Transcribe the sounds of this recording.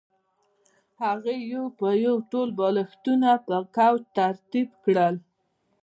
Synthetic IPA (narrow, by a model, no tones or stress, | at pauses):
haɣejowpəjawʈolbɑləxt̪unapəkawt̪aɾt̪ibkɽəl